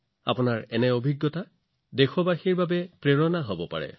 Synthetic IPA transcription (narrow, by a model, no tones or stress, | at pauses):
a̰pʊnaɹɛnɛobʱiɡːɔta | dexʰɔbaxiɹbabɛpɹeɹɔnaɦobɔpa̰ɹɛ̰